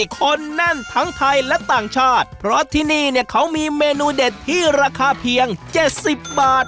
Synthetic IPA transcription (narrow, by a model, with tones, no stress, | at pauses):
kʰo˧nːa˥˩nt̪ʰa˦˥ŋt̪ʰa˧jlɛ˦˥ʔt̪aː˨˩ŋt͡ɕʰaː˥˩t̪̚pʰɾɔ˦˥t̪ʰiː˥˩niː˥˩ni˥˩əkʰa˦˥wmiː˧meː˧nuː˧de˨˩t̪ʰːiː˥˩ɾaː˧kʰaː˧pʰi˨˩˦əŋt͡ɕe˨˩t̪̚si˨˩p̚baː˨˩t̪̚